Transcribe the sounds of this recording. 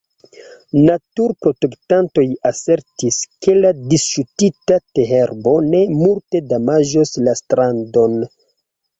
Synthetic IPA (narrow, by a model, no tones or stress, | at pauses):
natuɾpɾo̞te̞ktanto̞jase̞ɾtiske̞ladisʃutitateɦeɾbo̞ne̞multe̞damaʒoslastɾando̞n